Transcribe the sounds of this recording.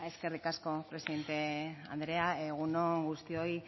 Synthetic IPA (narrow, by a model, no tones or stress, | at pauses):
e̞ske̞rikasko̞pɾe̞siðe̞nt̪e̞a̰nd̪ɾe̞aeɣ̞unoŋɡust̪io̞j